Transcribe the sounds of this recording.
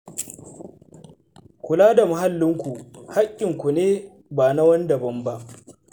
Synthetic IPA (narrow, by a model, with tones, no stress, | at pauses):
kʷʊ˨laː˦da˨ma˨ɦa˦lːɪ˦ŋkʷu˨ha˦kʲʼːɪ˨ŋkʷu˨neː˦ | baː˨na˦wɐ˦n˦dɐ˨bɐ˦mba˦ʔ